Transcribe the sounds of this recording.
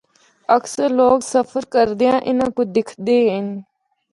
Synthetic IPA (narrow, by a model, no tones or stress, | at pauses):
əksəɾloːksəpʰəɾkəɾd̪ejãːʔɪnãːkʊd̪ɪkʰd̪eːɦən